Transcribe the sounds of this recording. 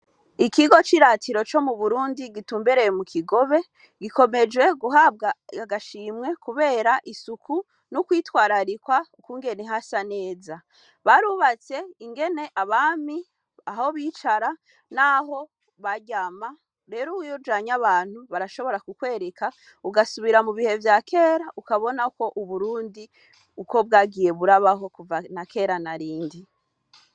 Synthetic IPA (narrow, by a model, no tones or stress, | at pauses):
ikiɡo̞t͡ʃiɾaːtʰiɾo̞t͡ʃo̞muβuɾuːndiɡituːmbeɾejemukʰiɡo̞βe̞ | ɡiko̞me̞d͡ʒwe̞ɡuɦab̚ɡaaɡaʃiːmŋe̞kuβe̞ːɾaʔisukʰu | nukwiːtwaːɾaɾikwaukuːŋɡe̞neɦasane̞ːza | βaɾuβat͡se̞iŋɡe̞ne̞ʔaβaːmi | aho̞βiːt͡ʃaɾa | naɦo̞ | βaɟama | ɾe̞ːɾowujoɾd͡ʒaːɲaβaːn̥huβaɾaʃo̞βo̞ɾakukwe̞ːɾeka | uɡasuβiɾamuβihe̞vjaːkʰe̞ːɾaʔukaβo̞nako̞ʔuβuɾuːndi | uko̞b̚ɡaːɡiːje̞βuɾaβaɦo̞kuvanakʰe̞ːɾanaɾiːndi